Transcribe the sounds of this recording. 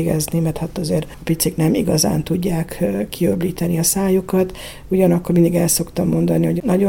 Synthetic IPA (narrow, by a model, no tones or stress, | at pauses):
ɡɛ̰znimɛrt̪hat̪ːɒzeːɾɒpit̪siknɛmḭɡɒza̰ːnt̪uɟːaːkːiøbliːt̪ɛniɒsaːjokɒt̪ | uɟɒnɒkːormind̪iɡɛlso̞kt̪ɒmːo̞nd̪ɒniɦo̞ɟnɒɟo